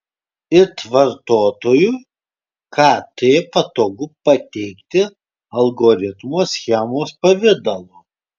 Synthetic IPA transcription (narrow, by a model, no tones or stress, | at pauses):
ɪt̪ʋɐɾt̪oːt̪oːju | kʰɑːt̪eːpɐt̪oːɡʊpɐt̪ʲɛɪkt̪ʲɪ | ɐlˠɡoːɾʲɪt̪moːsʲxʲɛmoːspɐʋʲɪd̪ɐlˠoː